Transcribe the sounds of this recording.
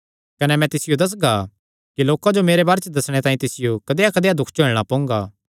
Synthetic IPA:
kɐnɛmɛ̃t̪ɪsɪjod̪ɐs̬ɡa | kiloːkad͡ʒomeːɾebaːɾet͡ʃd̪ɐsɽ̃et̪ãːĩt̪ɪsɪjokɐd̪eːjakɐd̪ejad̪ʊkʰt͡ʃoːɽ̃apõːŋɡaː

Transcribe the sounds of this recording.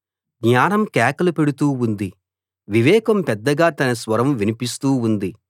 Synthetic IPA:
ɡɲaːnɐmkɛːkɐlupe̞ɽut̪uːund̪i | ʋiʋɛːkɐmpɛd̪ːɐɡaːt̪ɐnɐsʋɐɾɐmʋinipist̪uːund̪i

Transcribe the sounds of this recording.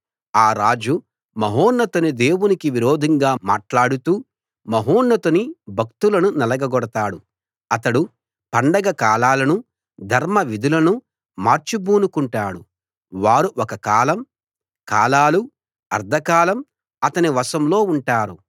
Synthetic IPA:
aːɾaːd͡ʒu | mɐɦoːnːɐt̪unid̪e̞ːwunikiʋiɾoːd̪ʱɐŋɡaːmaːʈlaːɽut̪uː | mɐɦoːnːɐt̪unibʱɐk̚t̪ulɐnunɛlɐɡɐɡɔɽɐt̪aːɽu | ɐt̪ɐɽu | pɐɳɖɐɡɐkaːlaːlɐnu | d̪ʱɐɾmɐʋid̪ʱulɐnu | maːɾt͡ʃubuːnukuɳʈaːɽu | ʋaːɾuʔɔkɐkaːlɐm | kaːlaːlu | ɐ̰ɾd̪ʱɐkaːlɐm | ɐt̪ɐniʋɐsɐmlo̞ːuɳʈaːɾu

